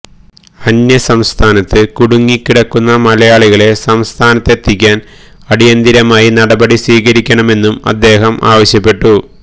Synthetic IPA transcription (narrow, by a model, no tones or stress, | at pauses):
hɐnjɐsɐmst̪ʰaːnɐt̪ːɨkuɽuŋːikːiɽɐkːunːɐmɐlɐjaːɭiɣɐɭe̞sɐmst̪ʰaːnɐt̪ːe̞t̪ːik̬ʲːaːn | ɐɽijɐnd̪iɾɐmaːjinɐɽɐbɐɽisʋiːɣɐɾikʲːɐɳɐme̞nːumɐ̰d̪ːe̞ːɦɐmʔa̰ːʋɐɕjɐpːe̞ʈːu